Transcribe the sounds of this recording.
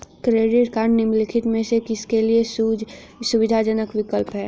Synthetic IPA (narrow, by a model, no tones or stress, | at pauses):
kɾeːɖɪʈkaːnnɪmlɪkʰɪʈmẽsekɪskeliesd͡ʒsuʋɪd̪ʱad͡ʒənəkʋɪkəlpɦɛː